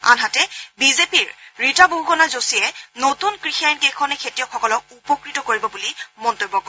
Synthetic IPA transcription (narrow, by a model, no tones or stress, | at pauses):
a̰nɦatɛbizepiɹɹitaboukɔnazosijɛnotunkɹixiajnkejkʰɔnɛkʰetijɔkxɔkɔlɔk̚upɔkɹitɔkoɹibɔbulimɔntojbːɔkɔ